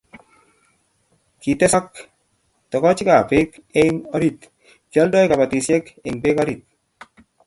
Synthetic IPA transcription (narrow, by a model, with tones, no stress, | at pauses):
ki˨t̪ɛ˦sa˦k | tɔ˨kɔ˦t͡ʃi˦ka˨pe˦ke˦i˦ŋɔ˦ɾi˨t̪ | d͡ʒa˦ldɔ˦jka˨ba˨t̪i˨sɛ˦kɛ˨ŋbe˦ka˦ɾi˨t̪̚